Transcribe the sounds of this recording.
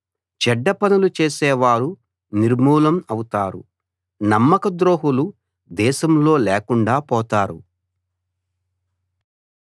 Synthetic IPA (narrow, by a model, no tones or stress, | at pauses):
t͡ʃɛɖːɐpɐnulut͡ʃeːsɛːʋaːɾu | niɾmuːlɐmɐwut̪aːɾṵ | nɐmːɐkɐd̪ɾo̞ːɦulu | d̪ɛːʃɐmlo̞ːlɛːkuɳɖaːpɔːt̪aːɾṵ